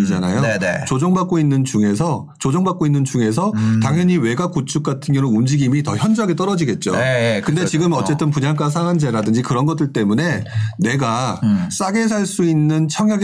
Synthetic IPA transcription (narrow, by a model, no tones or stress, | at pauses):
id͡ʑana̰joet͡ɕod͡ʑoŋbak͈oinːɯnt͡ɕuŋe̞sʰʌ | t͡ɕod͡ʑoŋbak͈oinːɯnt͡ɕuŋe̞s̬ʰʌtaŋɦjʌɲiwe̞ɡakut͡ɕʰuk̚k͈atʰɯnjʌnɯnund͡ʑiɡimitʌçjʌnd͡ʑɯɦaɡe̞t͈ʌɾʌd͡ʑiɡe̞t̚t͡ɕ͈o̰kɯndet͡ɕiɡɯmʌt͡ɕ͈e̞t͈ɯnpuɲaŋk͈asʰaŋand͡ʑe̞ɾadɯnd͡ʑikɯɾʌnɡʌt͈ʰɯɭt͈e̞mune̞ne̞ɡas͈aɡe̞s̬ʰaɭs͈uinːɯnt͡ɕʰʌŋjaɡe